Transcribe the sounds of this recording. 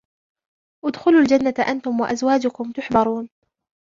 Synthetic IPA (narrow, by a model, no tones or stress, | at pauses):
ʔʊd̪xʊluld͡ʒanːat̪ʔant̪ʊmwaʔazwaːd͡ʒʊkʊmt̪ʊħbɑɾˤuːn